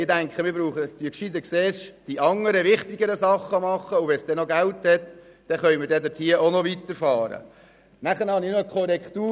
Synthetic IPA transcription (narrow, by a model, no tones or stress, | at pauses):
ɪdæŋkχəmɪɾbɾuːχəd̥ikʃid̪əkseːʃd̥iʔɑŋːəɾəʋɪχt̪ɪɡəɾəsɑχːəmɑχːəʊʋɛnsd̥ɛnoɡælt̪hɛt̪d̥ɛχœʏməɾdɛd̪ɪthiəonɔʋit̪əɾfɑːɾə̰ | næχənhɑnɪnoəkʰɔɾɛkχt̪uː